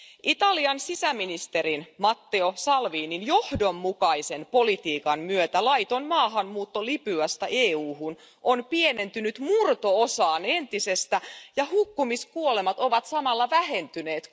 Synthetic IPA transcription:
ʔit̪ɑliɑnsisæminist̪e̞ɾinmɑt̪ːeosɑlʋiːninjo̞hdo̞mːukɑise̞npo̞lit̪iːkɑnmyøt̪ælɑjt̪onmɑːɦɑnːuːt̪ːolipyæst̪ɑʔeːuːhun | onpiene̞nt̪ynyt̪murt̪o̞osɑːne̞nt̪ise̞st̪æjɑhukːumiskuole̞mɑt̪o̞ʋɑt̪sɑmɑlːɑʋæhe̞nt̪yne̞ːt̪

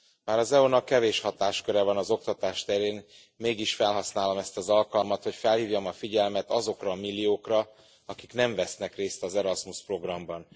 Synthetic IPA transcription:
maːɾɒzɛonɒkːɛveːʃhɒt̪aːʃkø̞ɾɛvɒnɒzo̞k̚t̪ɒt̪aːʃt̪ɛɾeːn | meːɡiʃfɛlɦɒsnaːlo̞mɛst̪ɒzɒlkɒlmɒt̪ho̞cfɛlhiːvjɒmɒfiɟɛlmɛt̪ɒzo̞krɒːmilːioːkrɒ | ɒkiknɛɱvɛsnɛkreːst̪ɒzɛɾɒsmuspro̞ɡrɒmbɒn

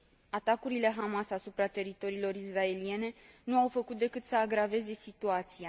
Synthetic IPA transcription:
at̪akuɾile̞ɦamasasupɾat̪e̞ɾit̪o̞ɾiːlo̞ɾisrae̞lie̞ne̞nuawfəkut̪̚d̪e̞kɨt̪səaɡɾave̞ze̞sit̪uat̪sija

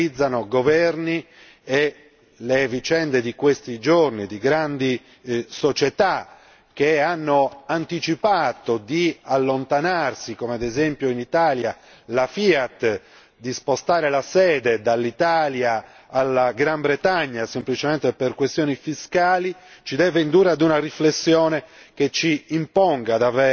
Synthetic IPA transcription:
id̪zːanoɡovɛrni | e | levit͡ʃɛnd̪ed̪ikwest̪id͡ʒornid̪iɡɾand̪i | sot͡ʃet̪a | k̟eanːoant̪it͡ʃipaːt̪od̪ialːont̪anarsikomead̪ezɛmpjoinit̪aːlja | lafiat̪ | d̪ispost̪aːɾelasɛːd̪ɛd̪alːit̪aːljaː | lːaɡɾambɾɛt̪aɲːasemplit͡ʃɛmɛnt̪eperkwest̪joːnifiskaːlit͡ʃid̪ɛːveind̪uːɾead̪unariflesːjɔːnɛket͡ʃːiːmpɔŋɡad̪avɛː

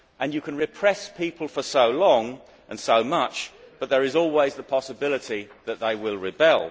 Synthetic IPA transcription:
ʔɨ̃njɨkʰɨ̃nɹɪpʰɹ̥ɛspʰipʰəlˠfə˞soʊlɔ̃ŋ | ʔɨ̃nsoʊmʌt͡ʃb̥ʌt̪̚ðə˞ɨzɔlˠwizðəpʰɑsəbɪlˠəɾiðɨt̪̚ðeɪwɪlˠɹɪbɛlˠ

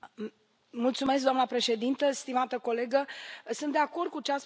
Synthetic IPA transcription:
mult̪sume̞s̬k̚d̪amnəpɾe̞ʃe̞d̪int̪əst̪imat̪əko̞le̞ɡəsɨnt̪d̪eako̞rd̪̚kut͡ʃeas

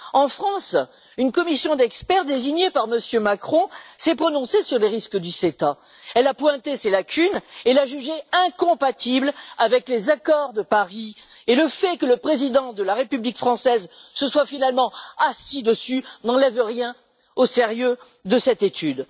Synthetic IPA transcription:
ɑ̃fχɑ̃s | ynkɔmisjɔ̃d̪ɛkspɛʁd̪eziɲepaʁməsjømakχɔ̃sɛpχɔnɔ̃sesyʁleʁiskəd̪yset̪a | ɛlapwɛ̃t̪eselakʲʰynelaʒyʒeɛ̃kɔ̃pat̪iblavɛklezakɔʁd̪əpaʁi | eləfɛkələpχezid̪ɑ̃d̪əlaʁepyblikfχɑ̃sɛzsəswafinalmɑ̃asid̪əsynɑ̃lɛvʁjɛ̃ | oseʁjø | d̪əsɛt̪et̪ʰyd̪

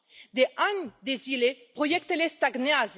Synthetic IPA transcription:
d̪eʔaɲd̪ezilepʁojɛkt̪elest̪aɡneaz

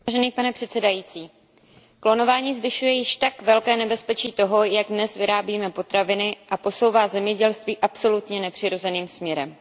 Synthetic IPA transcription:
aʒɛniːpanɛpr̥ɛt̪sɛdajiːt͡siː | klo̞no̞vaːɲiːzvɪʃujɛjɪʃt̪akvɛlkɛːnɛbɛspɛt͡ʃiːt̪o̞ɦo̞jaɡdnɛsvɪɾaːbiːmɛpo̞t̪ɾavɪnɪʔapo̞so̞wvaːzɛmɲɛɟɛlst̪viːʔapso̞lut̪ɲɛnɛpr̝̥ɪɾo̞zɛniːmsmɲɛɾɛm

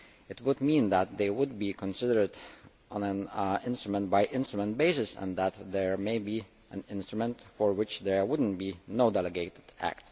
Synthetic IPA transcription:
ɨt̚wʊd̚mĩnðæt̪̚ðeɪwʊd̚bikʰə̃nsɪdə˞d | ʔə̃næ̃nɪ̃nstɹəmə̃ntbaɪʔɪ̃nstɹəmə̃ntb̥eɪsɨsɛ̰̃nðæt̪ðɛɹmeɪbi | ʔæ̃nɪ̃nstɹ̥əmə̃ntfɔɹwɪt͡ʃðə˞wʊdⁿn̩tbinoʊdɛlˠɨɡeɪɾɨdæ̰k̚t

